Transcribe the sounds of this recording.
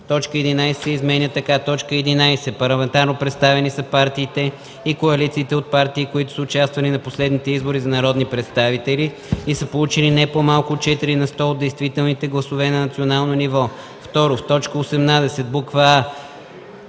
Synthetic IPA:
t̪ɔt͡ʃkəɛd̪inajssɛizmɛnʲət̪ɐkat̪ɔt͡ʃkəɛd̪inajsɛpɐɾlˠɐmɛnt̪aɾnopɾɛt̪st̪avɛnisəpaɾt̪iːt̪ɛ | ikoɐlit̪siːt̪ɛot̪̚paɾt̪iːkoit̪ʊ̥səʊt͡ʃast̪vɐlinɐposlɛd̪nit̪ɛizboɾizɐnɐɾɔd̪nipɾɛt̪st̪avit̪ɛli | isəpolˠut͡ʃilinɛpomalˠkʊt̪̚t͡ʃɛt̪iɾinɐst̪ɔod̪d̪ɛjst̪vit̪ɛlˠnit̪ɛɡlˠɐsʊvɛnɐnɐt̪sionalˠnonivɔ | ft̪ɔɾoft̪ɔt͡ʃkəosɛmnad̪ɛsɛt̪̚bukva

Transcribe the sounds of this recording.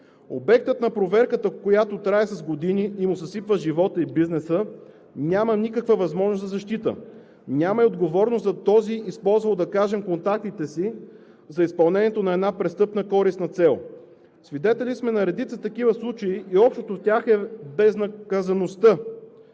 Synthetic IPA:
o̰bɛk̚t̪ət̪nɐpɾovɛɾkət̪əkojat̪ot̪ɾaɛsɐzɡod̪iniimʊsɐsipvəʒivɔt̪əibiznɛsə | nʲjamənikəkvəvɐzmɔʒnoszɐzɐʃt̪it̪ə̰ | nʲaməiod̪ɡovɔɾnost̪zɐt̪ɔziʔispɔlˠzvɐlˠod̪ɐkaʒɛmkont̪ak̚t̪it̪ɛsi | zɐispɐlˠnɛniɛt̪onɐɛd̪napɾɛst̪ɤpnəkɔɾisnɐt̪sɛlˠ | svid̪ɛt̪ɛlismɛnɐɾɛd̪it̪sət̪ɐkivəslˠut͡ʃɐiʔiɔpʃt̪ot̪oftʲaxɛbɛznɐkɐzɐnost̪ɤ

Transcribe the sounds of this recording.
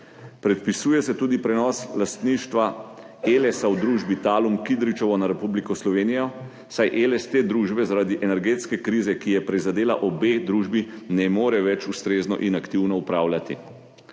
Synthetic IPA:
pɾɛt̪̚pisuːjɛsɛt̪uːd̪ipɾɛnɔslast̪niːʃt̪ʋa | elɛsawd̪ɾuːʒbit̪aːlumkid̪ɾit͡ʃɔʋɔnaɾɛpublikɔslɔʋeːnijɔ | sajʔelɛst̪eːd̪ɾuːʒbɛzaɾaːd̪iʔɛnɛɾɡeːt̪skɛkɾiːzɛkijɛpɾizad̪eːla̰ʔɔbeːd̪ɾuːʒbinɛmoːɾɛʋɛt͡ʃust̪ɾeːznɔ̰ʔinakt̪iwnɔupɾaːwlʲjat̪ḭ

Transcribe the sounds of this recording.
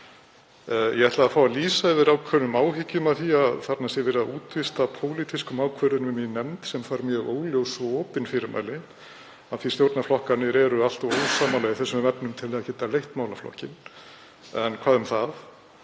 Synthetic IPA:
jʔɛɣɛht̪laðafaːwaliːsaɪvɪɾawkʰvœɾʏmaːwhɪcːʏmaðθiaðθat̪nasjɛɣvɪːɾɪðauːt̪vɪst̪apʰowlit̪ʰɪskʏmaːwkʰvœɾðʏnvɪminɛmt̪sɛmfaːɾmjœɣoːwljowsɔːpɪnfɪɾɪɾmʔa̰jlɪn | aðθist̪jowɾt̪naflɔhkanɪɾɛɾʏal̥t̪ɔwoːwsaːmalɛɣɪθɛsːʏmvɛpnʏmt̪ʰɪlɛðacɪt̪ːalejht̪maːwlaflɔ̰hcɪn | ɛnkʰv̥aːðʏmθaθ

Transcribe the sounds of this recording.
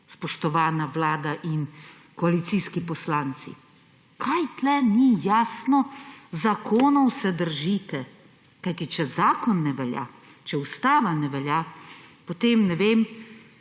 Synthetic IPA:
spɔʃt̪ɔʋaːnaʋlaːd̪aʔin | kɔalit̪siːskipɔslaːnt̪sḭ | kʰajt̪lɛnijaːsnɔzakʰoːnɔwsɛd̪əɾʒit̪ɛ | kajt̪it͡ʃɛzaːkɔnːɛʋɛlja̰ | t͡ʃɛust̪aːʋanɛʋɛljapot̪eːmnɛʋeːm

